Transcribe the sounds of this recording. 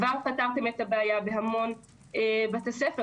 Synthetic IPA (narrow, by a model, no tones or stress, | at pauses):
vaʁpataʁt̪e̞me̞t̪abeajabe̞ɦamo̞n | ebat̪asefe